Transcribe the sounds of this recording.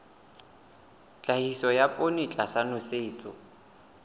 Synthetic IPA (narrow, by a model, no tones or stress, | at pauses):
t͡ɬʼahisɔjapʼonit͡ɬʼasanʊseːt͡sʼɔ